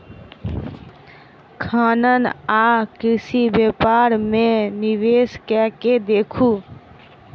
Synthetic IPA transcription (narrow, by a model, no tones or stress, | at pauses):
kʰaːnənakɪsibeːpaɾmẽnɪʋeːskɛːked̪eːkʰu